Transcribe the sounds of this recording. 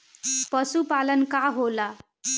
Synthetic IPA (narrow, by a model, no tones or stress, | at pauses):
pʌsupalʌnkaɦola